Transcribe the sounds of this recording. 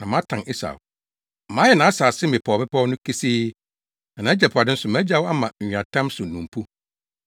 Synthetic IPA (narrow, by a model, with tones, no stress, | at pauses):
nã˨mã˦tʰã˨ni˦sa̰˨w | mã˦jɛ˨nã˨˦a˦saː˨sɪ˦mɪ̃˨pʰɔ˨mɪ̃˦pʰɔ˦wnʊ̃˦kʰi˦siː˦ | nã˨nã˨˦d͡ʑɛ˨pʰʊ˨a˨dɪ˦n̩˦sʊ˨mæ̃˦d͡ʑa˦wa˦mã˨a˨tʰã˦msʊ˨nũ˨m˨pʰu˦